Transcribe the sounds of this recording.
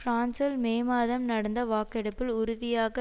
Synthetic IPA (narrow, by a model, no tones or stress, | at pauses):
fɾaːnsɐlmeːmaːðɐmnɐɽɐnd̪ɐʋaːkɪɽɐpːɪlʊɾʊðɪjaːɣɐ